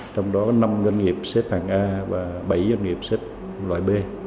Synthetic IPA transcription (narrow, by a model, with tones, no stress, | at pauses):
t͡ɕɔ˧wŋ͡mɗɔ˨˦kɔ˨˦na˧mzə˧nŋi˨˩əp̚se˦˥t̚haː˨˩ŋʔaː˧vaː˨˩ɓə˧˩jzə˧nŋi˨˩əp̚se˦˥t̚ | lwa̰ː˧˨˩jɓe˧